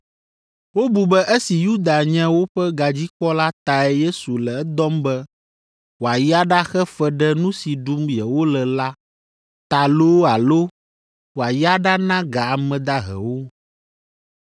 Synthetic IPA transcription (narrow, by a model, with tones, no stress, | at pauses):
wo˦bu˨bɛ˦ʔe˦si˨ju˦d̪a˨ɲɛ̃˦wo˦ɸɛ˦ɡa˨d͡ʑi˦k͡pɔ˦la˦t̪a˨ɛ˦je˦su˨lɛ˨ɛ˦d̪ɔ˦mbɛ˦ | wo˨a˨ja˦ɖa˦xɛ˦fɛ˦ɖɛ˦nũ˦si˨ɖu˦mjɛ˨wo˦lɛ˨la˦ | t̪a˨lo˦wa˨lo˦ | wo˨a˨ja˦ɖa˦nã˦ɡa˨a˨mɛ̃˨d̪a˦ɦɛ̰˨wo˦